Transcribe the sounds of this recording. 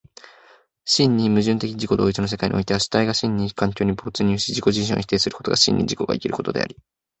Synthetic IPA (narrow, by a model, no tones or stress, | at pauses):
ɕĩɲʲːimɯ̟ʑɨ̃nt̪e̞kʲid͡ʑiko̞d̪o̞ːit͡sɨno̞s̬e̞kaḭɲʔḭʔo̞it̪e̞βaɕi̥t̪aiɡaɕĩɲʲːikãŋk̬ʲo̞ːɲ̟ibo̞t͡sɨɲ̟ʲɨːɕid͡ʑiko̞ʑiɕ̬ḭ̃oçi̥t̪eːsɨɾɯ̟ko̞t̪o̞ɡaɕḭ̃ɲ̟ːʔḭd͡ʑiko̞ɡa̰ikʲiɾɯ̟̥ko̞t̪o̞d̪e̞̰a̰ɾʲi